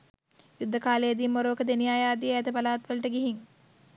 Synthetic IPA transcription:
jud̪ːəkaːlejəd̪iːmːoɾoːkəd̪enijaːjaːd̪ijəæt̪əbalaːt̪ʋəlɐʈəɡiɦiŋ

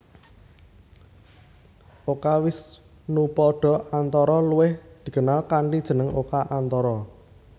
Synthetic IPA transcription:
ʔokawɪs | nupɔɖ̥ɔ̤ant̪ɔɾɔluwɪhd̪̥i̤kənalkaɳɖid̥ʒ̥ə̤nəŋokaʔant̪ɔɾɔ

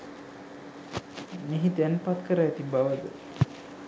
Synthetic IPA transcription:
meɦid̪ɛnpat̪kəɾəɛt̪ibaʋəd̪ə

